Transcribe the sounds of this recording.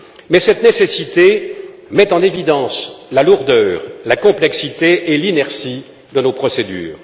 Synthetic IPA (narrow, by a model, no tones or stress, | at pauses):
mɛsɛt̪nesesit̪emɛt̪ɑ̃nevid̪ɑ̃slaluʁd̪œːʁlakɔ̃plɛksit̪eʔelinɛʁsi | d̪ənopχɔsed̪y̰ːʁ